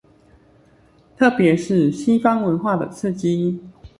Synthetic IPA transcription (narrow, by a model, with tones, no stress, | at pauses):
t̪ʰɤ˥˩pjɛ˨˧˦ʂɻ̩˥˩ɕi˥fɑ˥ŋwə˧˦nxwa˥˩d̪ə̰˨˩t͡s̩ʰ˥˩t͡ɕi˥˦